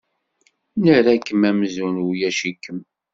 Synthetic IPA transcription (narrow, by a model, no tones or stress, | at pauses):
nəɾækːəmæmzunwjæʃikːəm